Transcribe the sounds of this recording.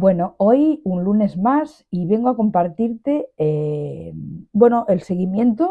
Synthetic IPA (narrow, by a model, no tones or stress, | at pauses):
bwe̞noo̞junlune̞zmas | iβe̞ŋɡoakompaɾt̪iɾt̪e̞embwe̞noʔe̞lse̞ɣimjẽ̞nt̪o